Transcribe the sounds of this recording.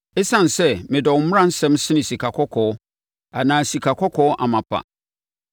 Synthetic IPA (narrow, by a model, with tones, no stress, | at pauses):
e˦sã˦n˨sɛ˦mɪ̃˨dɔ˨wmʊ˦ã˦n̩˦sɛ̃˦msɪ̃˦nɪ̃˨si˨kʰa˨kʰɔ˦kʰɔː˨ɔ˦ | a˨nãː˨si˨kʰa˨kʰɔ˦kʰɔ˦ɔ˦ʔa˨mã˨pʰa̰˨